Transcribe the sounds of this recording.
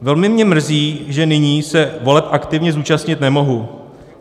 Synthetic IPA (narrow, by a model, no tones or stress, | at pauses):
vɛlmɪmɲɛmr̩ziːʒɛnɪɲiːsɛvo̞lɛp̚ʔakt̪ɪvɲɛzuːt͡ʃast̪ɲɪt̪nɛmo̞ɦu